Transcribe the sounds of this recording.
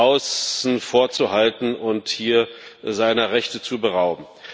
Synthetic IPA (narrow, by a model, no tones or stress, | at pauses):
aʊsn̩foːɐt͡suhaltn̩ʊnthiːɐzaɪnɐʁɛçtət͡subəʁaʊbm̩